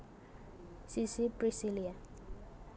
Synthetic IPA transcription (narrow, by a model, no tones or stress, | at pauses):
sisipɾisilia